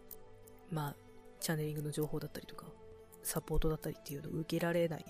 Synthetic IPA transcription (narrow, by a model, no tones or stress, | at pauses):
maː | t͡ɕanːe̞ɾʲĩŋɡɯ̟no̞ʑo̞ːho̞ːd̪at̪ːaɾʲi̥t̪oka | sapːo̞ːt̪o̞d̪at̪ːaɾʲi̥t̪ːe̞jɯ̟ːno̞̰ɯ̟ke̞ɾaɾe̞nai